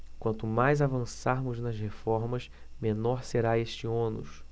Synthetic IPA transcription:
kwɐ̃nt̪ʊmajzavɐ̃saɾmʊznɐshefɔɾmɐʃ | menɔɾseɾaeʃt͡ʃɪõnʊ̰s

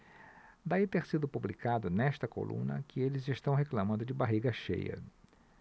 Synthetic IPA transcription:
d̪ait̪eɾsid̪ʊpublikad̪ʊnɛst̪ɐko̰lṵ̃nɐ̰kɪelɪzɪst̪ɐ̃w̃ɦeklamɐ̃nd̪ʊd͡ʒɪbaɦiɡɐʃḛjɐ̰

